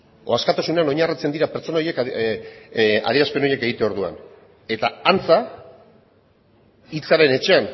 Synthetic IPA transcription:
o̞askat̪asuneano̞ɲarit͡se̞nd̪iɾapeɾt͡so̞nao̞je̞k | a̰ðiɾaspe̞no̞je̞ke̞ɣ̞it̪eo̞ɾðua̰n | e̞t̪aant͡sa | it͡saɾe̞ne̞t͡ʃe̞an

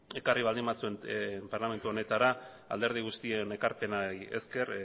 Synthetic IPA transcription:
e̞kariβ̞ald̪imbasue̞nmpaɾlame̞nt̪uo̞ne̞t̪aɾa | a̰ld̪e̞ɾð̞iɣ̞ust̪iene̞kaɾpe̞naje̞̰ske̞ɾ

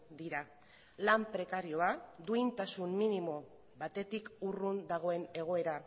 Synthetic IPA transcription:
d̪iɾa | lampɾe̞kaɾio̞ad̪uint̪asumminimo̞ | βat̪e̞t̪ikurund̪aɣ̞o̞e̞ne̞ɣ̞o̞e̞ɾa

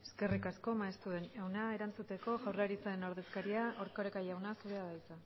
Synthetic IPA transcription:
eske̞rikasko̞maest̪uðenewnae̞ɾant͡sut̪e̞ko̞ɣawraɾit͡sae̞no̞ɾðe̞skaɾiaoɾkoɾekajawnasuɾeaðajt͡sa

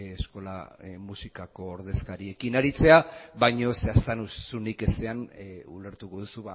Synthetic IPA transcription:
esko̞la̰musikako̞ːɾðe̞skaɾie̞kinaɾit͡se̞aβajɲo̞seast̪anusunike̞seanṵle̞ɾt̪uko̞ðusuβa

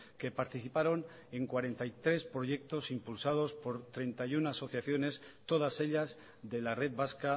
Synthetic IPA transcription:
ke̞paɾt̪iθipaɾo̞n | e̞ŋkwaɾe̞nt̪ajt̪ɾe̞spɾo̞ʝe̞k̚t̪o̞simpulsað̞o̞spo̞ɾt̪ɾe̞nt̪ajunaso̞θjaθjo̞ne̞st̪o̞ð̞ase̞ʎaz | ðe̞lare̞ðβaska

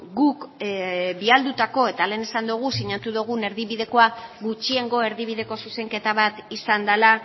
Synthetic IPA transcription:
ɡuk | biald̪ut̪ako̞e̞t̪ale̞ːnesand̪uɣ̞usiɲat̪uðuɣ̞une̞ɾðiβiðe̞ko̞aɣut͡ʃie̞ŋɡo̞e̞ɾðiβ̞iðe̞ko̞suse̞ŋke̞t̪aβat̪isand̪ala

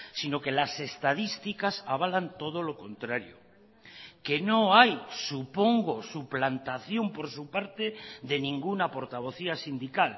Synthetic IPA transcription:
sino̞ke̞lase̞st̪að̞ist̪ikasaβ̞alant̪o̞ð̞o̞lo̞ko̞nt̪ɾaɾjo̰ | ke̞noajsupo̞ŋɡo̞suplant̪aθjo̞mpo̞ɾsupaɾt̪e̞ðe̞nĩŋɡunapo̞ɾt̪aβ̞o̞θiasind̪ikal

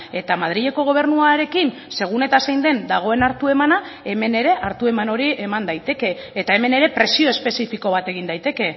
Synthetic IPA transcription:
e̞t̪amað̞ɾiʎe̞ko̞ɣ̞o̞β̞e̞ɾnuaɾe̞kin | se̞ɣ̞une̞t̪asajnd̪e̞nd̪aɣ̞o̞e̞naɾt̪ue̞mana | e̞me̞ne̞ɾe̞ʔaɾt̪ue̞mano̞ɾiʔemand̪ajt̪e̞ke̞ːt̪ae̞me̞ne̞ɾe̞pɾe̞sio̞espe̞sifiko̞β̞at̪e̞ɣind̪ajt̪e̞ke̞

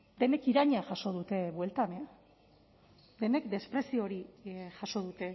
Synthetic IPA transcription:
d̪e̞ne̞kiɾaɲaʝaʃo̞ð̞ut̪e̞βwe̞lt̪ame | d̪e̞ne̞kd̪e̞spɾe̞sio̞ɾiʝaʃo̞ð̞ut̪e̞

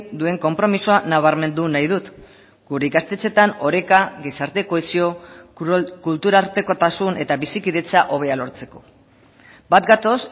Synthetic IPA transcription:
d̪ue̞ŋko̞mpɾo̞misoanaβ̞aɾme̞nd̪unajðut̪ | ɡ̥uɾeikast̪e̞t͡se̞t̪ano̞ɾe̞kaɣesaɾt̪e̞ko̞esio̞ | kult̪uɾaɾt̪e̞ko̞t̪asune̞t̪aβisikiðe̞t͡saʔo̞β̞e̞alo̞ɾt͡se̞̥ko̞̥ | bat̪ɡat̪o̞s

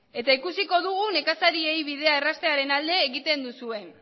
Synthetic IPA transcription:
e̞t̪aikusiko̞ðuɣ̞une̞kasaɾiejβiðe̞aerast̪e̞aɾe̞nald̪e̞ːɣit̪e̞nd̪usue̞

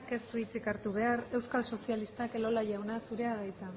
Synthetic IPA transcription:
ke̞st̪uit͡sikaɾt̪uβ̞e̞are̞wskalso̞sialist̪akelo̞laʝawnasuɾeaɣajt͡sa

